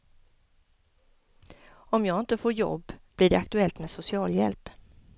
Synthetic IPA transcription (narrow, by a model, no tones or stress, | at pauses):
ɔmjɑːɡɪnt̪əfoːɾjɔ̰bːb̥lɪːɖɛak̚t̪ɵɛlt̪meːsʊsɪɑːljɛlp